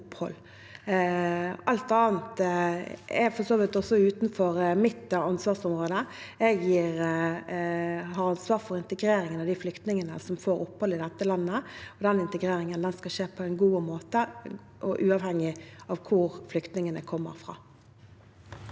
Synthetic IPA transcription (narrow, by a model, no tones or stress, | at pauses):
ʊphɔ̰lː | ɑlt̪ɑːnt̪ | ɛfɔsoːʋɪt̪ɔsɔʉːt̪nfɔʁmɪt̪ːɑnsʋɑːʁsɔmʁoːd̪ə | ɛɡjiːʁ | ɦɑɾɑnsʋɑːʁfɔɾɪnt̪əɡɾeːɾɪŋənɑʋd̪ɪflʏkt̪nɪŋənə̰sɔmfoːɾʊpːhɔlɪd̪ɛt̪ːəlɑnːəɔd̪ɛnɪnt̪əɡɾeːɾɪŋənd̪ɛnskɑʃeːpʰɔɛnɡuːmoːt̪ə | ʔɔʔʉːɑːʋhɛŋːɪɑʋkʰʊɾflʏkt̪nɪŋənəkʰɔmːə̰ɾfʁɑ̰ː